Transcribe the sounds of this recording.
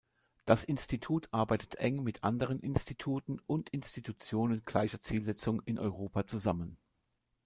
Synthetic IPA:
d̥asʔɪnstitʰuːtʰʔaɐbaɪtə̥tʰʔɛŋmɪtʰʔa̰ndəʁənʔɪnstitʰuːtn̩ʔʊntɪnstitut͡sjoːnənɡ̥laɪçɐt͡siːlzɛt͡sʊŋɪnʔɔ̰ʏʁoːpat͡suzamən

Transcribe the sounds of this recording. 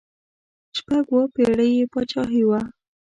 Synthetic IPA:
ʃpaɡwopeɽəjepət͡ʃɑɦiwa

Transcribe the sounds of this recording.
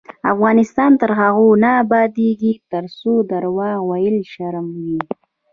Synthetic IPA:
a̰fɣɑnɪst̪ɑnt̪əɾɦaɣonaːbɑd̪eɡit̪əɾsod̪aɾwɑɣwajəlʃaɾmwi

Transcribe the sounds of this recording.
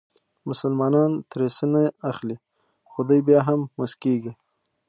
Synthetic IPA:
mʊsəlmɑnɑnt̪ɾesənaaxli | xod̪ujbjɑɦamːʊskeɡi

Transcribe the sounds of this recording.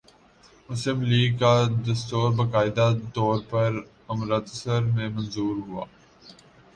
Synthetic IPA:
mʊsɪmliːɡkad̪ɐst̪oːɾbɐkaːɪd̪at̪ɔːɾpɐɾ | ɐmɾət̪əsəɾmẽmɐ̃nzuːɾɦʊa̰ː

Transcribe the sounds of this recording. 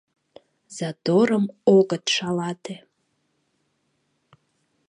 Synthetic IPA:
z̥ad̪oɾəmoɡət̪ʂalat̪ʰe

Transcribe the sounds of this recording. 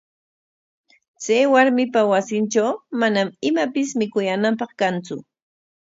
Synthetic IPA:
t͡sajwaɾmɪpawasɪnt͡ʃawmanamɪmapɪsmɪkʊjanampɑχkant͡sʊ̰

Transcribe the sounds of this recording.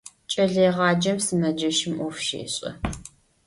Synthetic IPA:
t͡ʃʼɐɮeːʁɑːd͡ʒɐmsɨmɐd͡ʒɐʃɪmʔɔfʃḛːɕʼɐ̰

